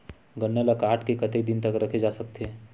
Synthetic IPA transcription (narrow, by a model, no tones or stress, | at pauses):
ɡɐnːəlɐkaːɾʈkekɐt̪ed̪ɪnt̪ɐkɾɐkʰed͡ʒaːsɐk̚t̪eɦɛ̃ː